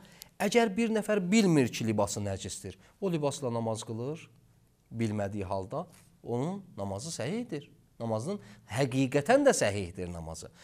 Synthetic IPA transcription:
æɟæɾbiɾnæfæɾbilmiɾcʰilibɑsɯnæd͡ʒisd̪iɾ | olibɑslˠɑnɑmɑzɡɯlˠɯɾ | bilmæd̪ijiɦɑlˠd̪ɑ | o̞nunːɑmɑzɯsæhihd̪iɾ | nɑmɑznɯnhæɡiːɡæt̪ʰænd̪æsæɦihd̪iɾnɑ̰mɑ̰z̥ɯ̰

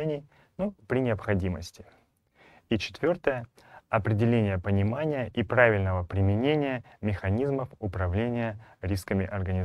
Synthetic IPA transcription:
enʲɪj | nopɾʲɪnʲɪəpxɐdʲimə̰sʲtʲɪ̥ | it͡ɕɪ̥t̪vʲo̞rt̪əjə | ɐpɾʲɪdʲɪlʲenʲɪjəpənʲɪmanʲɪjəʔipɾavʲɪlʲnəvəpɾʲɪmʲɪnʲenʲɪjəmʲɪxɐnʲizməfʊpɾɐvlʲenʲɪjəɾʲiskəmʲɪʔɐrɡənʲɪ

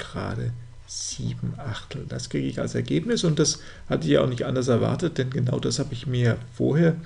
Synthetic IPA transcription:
ɡ̥əʁa̰ːdə | z̥iːbm̩ʔaχtʰl̩d̥askʁ̥iːɡəɪça̰lsɛɐɡeːpnɪsʊnt̚d̥as | hatəɪçjaːʔaʊxnɪçtʔa̰ndɐsɛɐva̰ɐtət̚d̥ɛnɡənaʊd̥ashaːbəɪçmiːɐjaːfo̰ːɐheːɐ

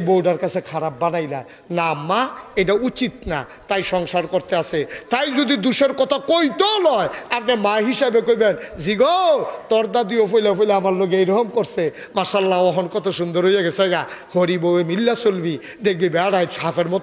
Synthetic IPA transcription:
bowɖaɾkat͡ɕʰekʰaɾap̚ːanajla̰ | namːaeʈaut͡ɕit̪na̰ | t̪ajʃɔŋʃaɾkoɾt̪easʰet̪ajd͡ʑud̪id̪uʃeɾkɔt̪ʰakojt̪onɔeap̚nemaɦiʃabekojbenziɡot̪ɔɾd̪ad̪iofojlefojleamaɾloɡeejɾoɦomkoɾsʰe | maʃalːaɔɦonkɔt̪ʰaʃund̪oɾɦojaɡesʰeɡahoɾibowemilːasolbid̪ek̚bibɛaɽajafeɾmɔt̪

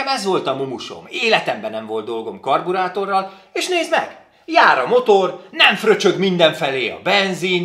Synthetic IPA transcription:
ɛmɛzʋo̞lt̪ɒmumuʃo̰meːlɛt̪ɛmbɛnɛɱvo̞ld̪d̪o̞lɡo̞mkɒrbuɾaːt̪o̞rːɒl | eːʃneːzmɛ̰ɡ̥ | jaːɾɒmo̞t̪ornɛɱfrø̞t͡ʃø̞ɡmind̪ɛɱfɛleːɒ̰bɛnzin

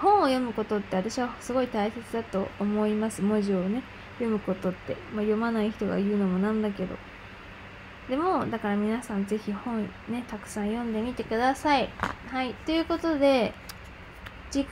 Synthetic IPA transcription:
hõ̞ɰ̃o̞jo̞mɯ̟ko̞t̪o̞t̪ːe̞at̪aɕiβasɨɡo̞it̪aise̞t͡sɨd̪at̪o̞ːmo̞imasɨmo̞ʑio̞ne̞ | jo̞mɯ̟ko̞t̪o̞t̪ːe̞majo̞manaiçi̥t̪o̞ɡa̰jɯ̟ːno̞mo̞nãnd̪ake̞d̪o̞̰ | d̪e̞mo̞d̪akaɾamʲinasãnze̞çihõ̞ɰ̃ | ne̞t̪akɯ̟̥sãɰ̃jõ̞nd̪e̞mʲit̪e̞kɯ̟d̪asaihait̪o̞jɯ̟ːko̞t̪o̞d̪e̞ | d͡ʑi

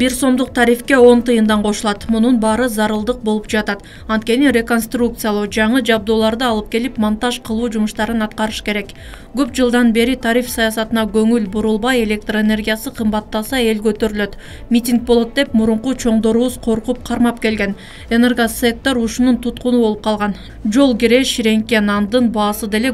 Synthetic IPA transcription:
biɾso̞md̪uq̚t̪ʰɑɾifke̞o̞nt̪ɯjɯmd̪ɑɴqʰo̞ʃulˠɑt̪mununbɑːɾɯzɑɾɯlˠd̪ɯq̚bo̞lˠupd͡ʒɑt̪ɑt̪ | ɑnt̪̚ke̞niɾʲe̞ko̞nst̪ruk̚t̪sɨjalˠod͡ʒɑɴɯd͡ʒɑb̚d̪o̞ːlˠɑɾd̪ɯɑlˠɯp̚ke̞lipmont̪ɑʃqʰɯlˠuːd͡ʒumuʃt̪ɑɾɯnɑt̪qɑɾɯʃke̞ɾe̞k | ɡ̥øpd͡ʒɯlˠd̪ɑnbe̞ɾit̪ʰɑɾifsɑjɑsɑt̪ɯnɑɡø̞ŋylbuɾulˠbɑje̞lʲe̞k̚t̪rene̞rɡʲijasɯqʰɯmbɑt̪ːɑsɑe̞lɡø̞t̪ø̞ɾyløt̪ | mʲitʲiŋk̚bo̞lˠo̞t̪̚d̪e̞pmuɾuɴqut͡ʃʰo̞ɴd̪o̞ɾuβuz̥qʰo̞ɾqup̚qʰɑɾmɑpke̞lɡe̞n | enerɡoset̪ːoɾuʃununt̪ʰut̪qunubo̞lˠup̚qʰɑlˠʁɑn | d͡ʒo̞lˠɡʲiɾe̞ʃiɾe̞ŋke̞nɑnd̪ɯnbɑːsɯd̪e̞le̞

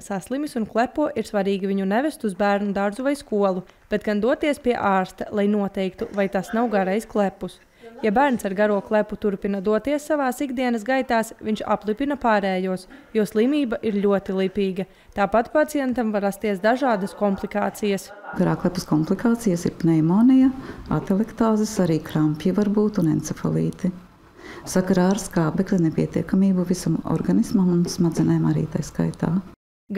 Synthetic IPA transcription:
saslˠimisunklˠɛpuɔʔiɾsʋaɾiːɡiviɲunɛvɛst̪uzbæːɾnud̪aɾzuvajskuɔlˠu | b̥et̪̚ɡ̥and̪uɔt̪iɛspiɛʔaːɾst̪ɐlˠajnuɔt̪ɛjkt̪uvajt̪asnawɡaɾɛjsklˠɛpːus | jabæːɾnsaɾɡaɾuɔklˠɛput̪uɾpinɐd̪uɔt̪iɛsːaʋaːsiɡd̪iɛnɐs̬ɡajt̪aːsviɲʃa̰plˠipinɐpaːɾɛːjuɔsjuɔslˠimiːbɐʔiɾʎʲuɔt̪ilˠipiːɡɐ | t̪aːpat̪pat̪sijɛnt̪amvaɾast̪iɛsd̪aʒaːd̪ɐskɔmplˠikaːt̪sijɐs | ɡaɾaːklˠɛpɐskɔmplˠikaːt̪sijɐsḭɾpnɛjmoːnijɐa̰t̪ɛlˠɛkt̪aːzisaɾiːkɾampjivaɾbuːt̪unɛnt̪sɛfo̰lˠḭːt̪i | sakaɾaːɾskaːbɛklʲinepʲiɛt̪ḭɛkamiːbuvisamɔ̰ɾɡanismamunsmad̪zinajmaɾḭːt̪ajska̰jt̪a̰ː | ɡ

